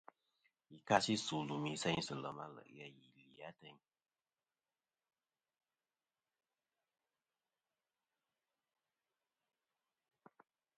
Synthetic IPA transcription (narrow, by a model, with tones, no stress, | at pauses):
i˨ka˦si˦su˨lu˨mi˦sɛ˦ɲ˦sɨ˨lə˨ma̰˦lə̰˨ʔja˦ji˨li˨a˦tə˦˨ɲ